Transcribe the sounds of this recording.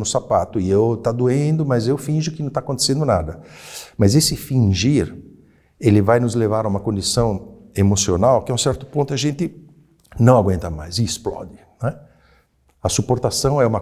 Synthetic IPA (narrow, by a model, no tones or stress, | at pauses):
nʊsapat̪ʊɪewt̪ad̪uẽnd̪ʊmɐzewfĩʒʊkɪnɐ̃t̪akõnt̪e̥sẽnd̪ʊnad̪ɐmɐzesɪfĩʒiɾ | elɪvajnʊzlevaɾaũmɐkõnd͡ʒisɐ̃w̃ | emosionawkɪauw̃sɛɾt̪ʊ̥põnt̪ʊɐʒẽnt̪ɪ | nɐ̃w̃aɡwẽnt̪ɐmajzɪɪsplɔ̰d͡ʒɪnɛ | ɐsupoɾt̪asɐ̃w̃ɛũmɐ